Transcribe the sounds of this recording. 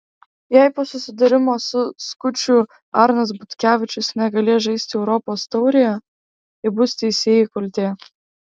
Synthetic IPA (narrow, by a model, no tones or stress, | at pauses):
jæɪpoːsʊsʲɪd̪ɐɾʲɪmoːsʊskʊt͡ʃʲʊ | ɑɾnɐs̬bʊt̪ʲkʲæːʋʲɪt͡ʃʲʊsnʲɛɡɐlʲeːʒɐɪsʲt̪ʲɪɛʊɾɔpoːst̪ɐʊɾʲɪjɛ | ɪbʊsʲt̪ʲɛɪsʲeːjɪkʊlʲt̪ʲeː